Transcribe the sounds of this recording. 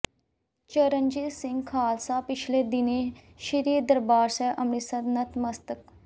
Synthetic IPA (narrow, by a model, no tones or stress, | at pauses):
t͡ʃəɾənd͡ʒisɪ̃ŋɡkʰaːlsaːpɪt͡ʃʰleːd̪ɪnẽ | ʃəɾiːɾd̪əɾbaːɾsɛːʔɐmnisəd̪nɐt̪ʰməst̪ək